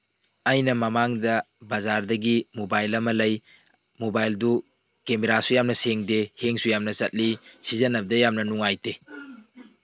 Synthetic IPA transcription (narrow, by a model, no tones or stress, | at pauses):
ɐjnɐmɐmaŋdɐ | bɐzaɾdɐɡimobajlɐmɐlɐj | mobajldu | kemeɾasujamnɐseŋdeheŋsujamnɐt͡ʃɐt̚lisizɐnɐbdɐjamnɐnuŋajte